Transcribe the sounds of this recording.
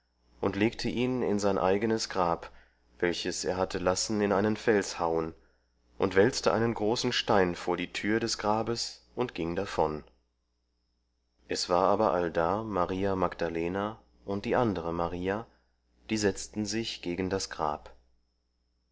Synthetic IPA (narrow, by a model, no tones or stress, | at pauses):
ʔʊntleːk̚tʰəʔiːnɪ̰nzaɪnʔa̰ɪɡənəsɡ̥ʁaːp | v̥ɛlçəsḛːɐɦatʰəlasn̩ɪnʔaɪnənfɛlshaʊən | ʔʊntv̥ɛlt͡stəʔa̰ɪnənɡʁoːsn̩ʃtaɪnfoːɐdiːtʰyːɐdɛsɡ̥ʁaːbəsʔʊntɡ̥ɪŋdafɔn | ʔɛsv̥aːɐʔaːbɐʔaldaːmaʁiːamaɡd̥aleːna | ʔʊnt̚d̥iːʔandəʁəmaʁiːa | d̥iːzɛt͡stn̩zɪçɡ̥eːɡn̩dasɡ̥ʁa̰ːp